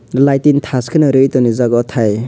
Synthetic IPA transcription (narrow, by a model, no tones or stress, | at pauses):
lajtintʰaskʰɯnɯɾɯjtɔnizaɡɔtʰaj